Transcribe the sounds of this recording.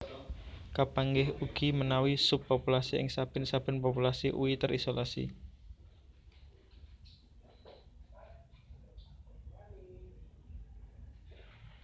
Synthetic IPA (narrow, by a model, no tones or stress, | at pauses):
kapaŋɡɪɦuɡ̥imənawisʊpːopulasiɪ̰ŋsab̥ə̤nsab̥ə̤npɔpulasiʔṵit̪əɾisolasḭ